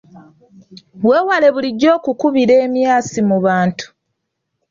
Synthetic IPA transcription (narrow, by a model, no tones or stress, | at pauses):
βwe̞ːwale̞βuliɟːo̞ːkukuβiɾe̞ːmjaːsimuβaːntu̥